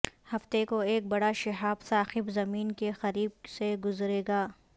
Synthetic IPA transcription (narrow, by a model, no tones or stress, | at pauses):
hɐft̪ekoeːk̚bɐɽaʃɐɦaːbsaːxɪbzɐmiːnkexɐɾiːb̚seɡʊzɾeːɡaː